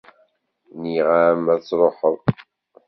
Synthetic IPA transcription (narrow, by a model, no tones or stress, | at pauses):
niʁamæt͡sːɾˤoħəðˤ